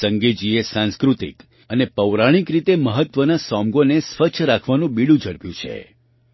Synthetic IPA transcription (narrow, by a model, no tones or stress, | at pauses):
səŋɡed͡ʒiesãnskɾut̪ḭk | ənepəʋɾaɽ̃ikɾit̪eməɦət̪ʋənasɔmɡonesʋət͡ʃʰɾakʰʋanũbiɽũd͡ʒəɽpjũt͡ʃʰḛ